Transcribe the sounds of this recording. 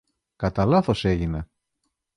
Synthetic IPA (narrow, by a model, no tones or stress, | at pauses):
kɐt̪ɐlɐθo̞se̞ʝine